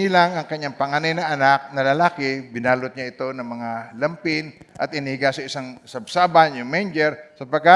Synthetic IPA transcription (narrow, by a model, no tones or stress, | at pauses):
ilaŋɐŋkɐɲːaŋpɐŋanajnɐʔɐnak̚nɐlɐlaːkɪbɪnaːlʊt̪̚ɲaɪt̪o̞nɐŋmɐŋalɐmpɪnʔɐ̰t̪ɪnɪhɪɡasɐɪsaŋsɐb̚saːbanjʊŋmejnd͡ʒɛɾsɐpɐɡ̚kːa